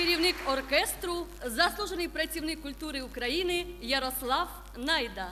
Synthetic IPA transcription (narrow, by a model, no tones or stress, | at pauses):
kɪɾʲiwnɪkɔrkɛst̪ɾʊzɐslˠuʒenɪjpɾɐt͡sʲiwnɪkːʊlʲt̪uɾɪukɾɐjinɪjɐɾɔslˠɑw | najd̪ɐ